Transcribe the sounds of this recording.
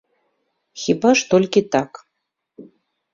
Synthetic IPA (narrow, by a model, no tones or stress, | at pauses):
xʲibaʂt̪olʲkʲit̪ak